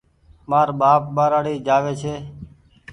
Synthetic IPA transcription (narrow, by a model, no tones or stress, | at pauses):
maːɾɓaːp̚ɓaːɾaːɽiːd͡ʒaːʋeːt͡ʃʰeː